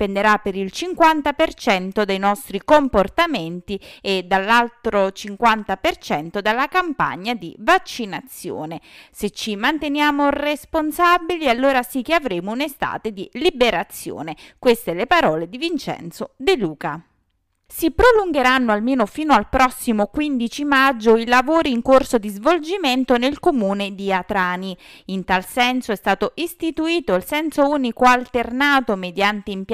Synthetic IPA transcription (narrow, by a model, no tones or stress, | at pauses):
pend̪eɾapːeɾilt͡ʃiŋkwant̪apert͡ʃɛnt̪od̪ejnɔst̪ɾikomport̪ament̪ied̪alːalt̪ɾot͡ʃiŋkwant̪apert͡ʃɛnt̪od̪alːakampa̰ɲːad̪ḭvat͡ʃːinat̪sːjo̰ːneset͡ʃːimant̪enjaːmoresponsabilialːoːɾasik̟ːeavɾeːmounest̪a̰ːt̪ed̪ilibeɾat̪sːjo̰ːnekwest̪elepaɾɔːled̪ivint͡ʃɛ̰nt̪sod̪eluːka | sipɾoluŋɡeɾanːoalmeːnofiːnoalpɾɔsːimokwind̪it͡ʃimad͡ʒːoilavoːɾiːŋkorsod̪izvold͡ʒiment̪onelkomuːned̪iat̪ɾaːniint̪alsɛnsoɛst̪aːt̪oʔist̪it̪uiːt̪oilsɛnsouːnikoalt̪ernaːt̪omed̪jant̪eimp